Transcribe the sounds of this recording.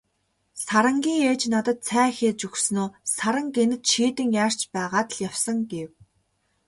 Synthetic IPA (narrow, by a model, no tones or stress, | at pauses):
saɾə̆ŋɡʲiːŋeːt͡ɕnat̪ə̆t̪sʰæːxeːt͡ɕɵxsnoːsaɾə̆ŋɡenɘ̆t̪ʃiːt̪ɘ̆ŋjaːr̥t͡ɕpæːʁaːt̪ə̆ɮjawsə̆ŋɡew